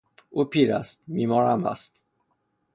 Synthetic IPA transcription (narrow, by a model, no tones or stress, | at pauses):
ʔuːpʰiːɾæst̪̚miːmɒːɾæmæ̰st̪